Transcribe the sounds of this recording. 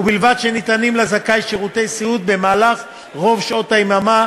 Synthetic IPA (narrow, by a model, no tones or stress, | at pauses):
ubilvadʃenit̪animlazakajʃeʁut̪e̞jsiut̪̚be̞maːlaχ | ʁo̞vʃao̞t̪aimama